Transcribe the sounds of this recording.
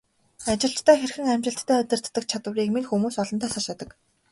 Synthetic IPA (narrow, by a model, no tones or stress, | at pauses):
at͡ɕɪ̆ɬt͡ɕt̪ʰæːxerxɘ̆ŋæmt͡ɕɪ̆ɬt̪ʰːæːɵt̪ɘ̆r̥t̪ːə̆k̚t͡ɕʰat̪ə̆riːkminxumuːsɔɮɞ̆nt̪ʰæːsaʃat̪ə̆k